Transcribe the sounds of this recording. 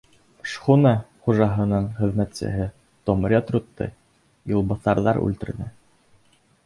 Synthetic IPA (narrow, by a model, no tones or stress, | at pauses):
ʃχunɑχuʒɑɦɤ̆nɤɴχɘ̆ðmæt̪sɘ̰ɦɘ | t̪omɾʲet̪ɾut̪ːɤ̰j | jɤ̆lˠbɤ̆θɑɾðɑɾʉ̰lt̪ɘ̆ɾðɘ